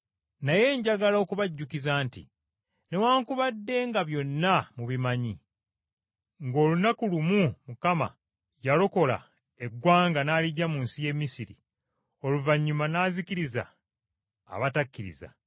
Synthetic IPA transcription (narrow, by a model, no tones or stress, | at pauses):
naje̞ːɲɟaɡalao̞ːkuβaɟːukizaːntḭ | newaːŋkuβadːe̞ːŋɡaβjo̞nːamuβimaɲi | ŋɡo̞ːlunakulumumukama̰ | jalo̞ko̞la̰ | e̞ɡwaːŋɡanaːliɟamuːnsije̞mːisiɾḭ | o̞luvaɲːumanaːziciɾiza̰ː | βatakːiɾḭza̰